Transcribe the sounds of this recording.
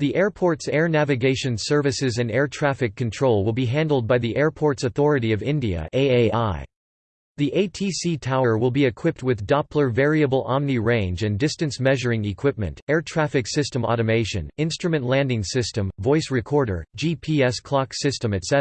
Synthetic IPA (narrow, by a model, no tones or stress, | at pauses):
ðiʔɛɹpʰɔɹtsɛɹnævɨɡeɪʃɨ̃nsɜ˞vɨsɨzɨ̃nɛɹtʰɹ̥æfɨkʰːɨ̃n̩tʰɹ̥oʊlˠwɪlˠbiɦæ̃ndˡl̩ˠd̚baɪðiʔɛɹpʰɔɹtsɨθɔɹɨɾiʌvɪ̃ndiɨ̰ʔeɪeɪaɪ | ðiʔeɪtʰisitʰaʊ˞wɪlˠbiɨkʰw̥ɪp̚t̚wɨðdɑpʰlə˞vɛɹiɨbl̩ˠɑmniɹẽɪ̃nd͡ʒɨ̃ndɪstɨ̃nsmɛʒə˞ɪ̃ŋɨkʰw̥ɪp̚mɨ̰̃ntɛɹtʰɹ̥æfɨksɪstə̃mɔ̰ɾɨmeɪʃɨ̰̃nɪ̃nstɹ̥ɨmɨ̃nʔlæ̃ndɪ̃ŋsɪstɨ̃ɱvɔɪsɹɨkʰɔɹɾə̰˞d͡ʒipʰiɛskʰl̥ɑksɪstə̃mɨtsɛ